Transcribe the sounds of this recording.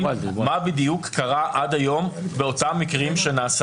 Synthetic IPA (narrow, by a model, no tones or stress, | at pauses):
mabid̪ijukːaʁaʔad̪ajo̞mbeo̞tamikʁimʃenaːs